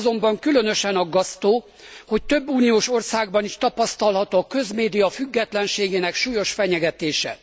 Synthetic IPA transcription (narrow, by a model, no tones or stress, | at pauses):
zo̞mbɒŋkylø̞n̪ø̞ʃɛnɒɡːɒst̪oː | ho̞ct̪ø̞bːuːnijoːʃo̞rsaːɡbɒniʃt̪ɒpɒst̪ɒlɦɒt̪oːkø̞zmeːd̪ijɒfyɡːɛt̪lɛnʃeːɡeːnɛkʃuːjo̞ʃfɛɲɛɡɛt̪eːʃɛ̰